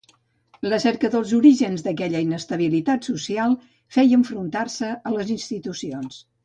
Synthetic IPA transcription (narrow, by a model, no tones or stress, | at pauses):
ləsɛɾkəðəlˠzuɾiʒənzd̪əkɛʎəinəst̪əβ̞ilit̪at̪susialˠ | fɛjəɱfɾunt̪arsəələzinst̪it̪usions